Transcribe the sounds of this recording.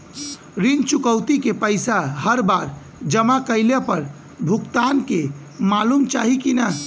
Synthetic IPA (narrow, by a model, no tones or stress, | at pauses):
ɾint͡ʃukəwt̪ikepəɪsaɦəɾbaɾ | d͡ʒəmakəɪlepəɾ | bʱukt̪anke | malumt͡ʃaɦikinə